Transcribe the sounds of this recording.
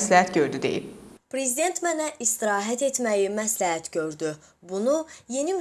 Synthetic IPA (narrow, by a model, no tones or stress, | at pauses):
slæhæt̪ɟø̞ɾd̪yd̪ejḭbpɾe̞zid̪e̞nt̪ʰmænæʔist̪iɾɑːɦæt̪ʰe̞t̪mæjimæslæɦæt̪ʰɟø̞ɾd̪y | bunuje̞nim